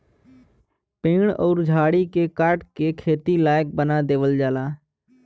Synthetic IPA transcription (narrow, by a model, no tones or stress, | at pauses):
peːɳɔ̰ːɾd͡ʒʱaːɽiːkeːkəɾʈkeːkʰeːt̪iːlaːjək̚bənaːd̪eːʋəld͡ʒaːlaː